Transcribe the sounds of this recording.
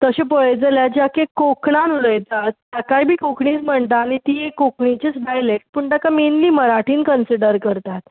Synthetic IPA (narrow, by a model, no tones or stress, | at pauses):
t̪əɕepəɭed͡zəljad͡ʑakekokɳanuləjt̪at̪jakajbʱiːkokʰɳiːt͡sm̤əɳt̪aːñit̪iːjekokʰɳit͡ɕit͡sɖajlekʈ̚puɳʈ̪akamenliːməɾaʈʰiːnkənsiɖəɾkəɾt̪at̪